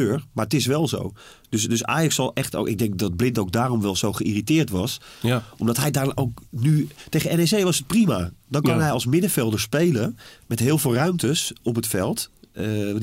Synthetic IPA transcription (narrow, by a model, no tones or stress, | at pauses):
øːɹmaːɹətɪsʋɛlˠzo̰w | d̥øsdøsa̰ːjksɑlˠʔɛχto̰ɪ̰ɡ̚dɛŋk̚dɑd̚blɪntowɡ̚daːrɔmʋɛlˠzowχəiritɪːɹtʋɑsɔmdɑtɦɛjdaːɹowknytejχənɛnɛsejʋɑsət̚primadɔnkɑnɦɛjɑlˠsmɪdəfɛlˠdəɹspejləmɛtɦɪːlˠvɪːlˠrœɥmtəsɔp̬ɦətfɛlˠt